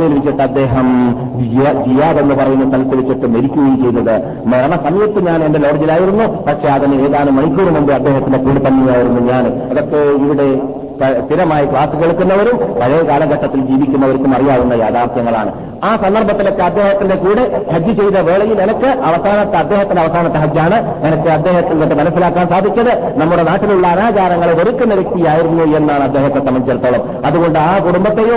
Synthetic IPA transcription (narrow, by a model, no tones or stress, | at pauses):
ejilʋit͡ɕːiʈːɨɐd̪ːe̞ːɦɐm | ijd͡ʑijːaːðenːɨpɐrɐjunːut̪ɐlit̪ːɨʋit͡ɕːiʈːɨme̞ɾikʲːuɣojimt͡ɕe̞jt̪ːɐðɨ | mɐɾɐɳɐsɐmɐjɐt̪ːɨɲaːne̞ndelo̞ːɽid͡ʑilaːjiɾunːupɐʈʂe̞ɐðinɨeːðaːnɨmɐɳikʲːuːɽumuɳɖɨɐd̪ːe̞ːɦɐt̪ːinde̞kuːɽet̪ɐnːejaːjiɾunːuɲaːn | ɐðo̞kːeiʋiɽe̞ | pɐst̪iɾɐmaːjikɭaːsɨkeɭukːunːɐʋɐɾumpɐɻɐjɐkaːlɐŋɡɐʈːɐt̪ːild͡ʑiːʋikʲːunːɐʋɐɾukːumɐrijaːðunːɐjaːd̪aːrt̪ʰjɐŋːɐɭaːɳɨ | aːsɐnd̪ɐrbʱɐt̪ːilo̞kːe̞ɐd̪ːe̞ːɦɐt̪ːinde̞kuːɽehɐd͡ʑːɨt͡ɕejt̪ːɐʋe̞ːɭɐjilenɐkːɨʔɐʋɐsaːnɐt̪ːeɐd̪ːe̞ːɦɐt̪ːindeɐʋɐsaːnɐt̪ːɐɦɐd͡ʑjaːɳɨ | enɐkːɨɐd̪ːe̞ːɦɐt̪ːilnɐkːɨmɐnɐsːilaːkːaːnsaːd̪ʱikʲːɐðɨ | nɐmːuɽe̞naːʈːiluɭːɐːnaːd͡ʑaːɾɐŋːɐɭoɾikʲːunːiɾɐkʲːijaːjiɾunːue̞nːaːɳɐd̪ːe̞ːɦɐt̪ːesɐmɐɲt͡ɕɐɾt̪ːoːɭɐm | ɐðuɣo̞ɳɖɨaːkuɽumbɐt̪ːeju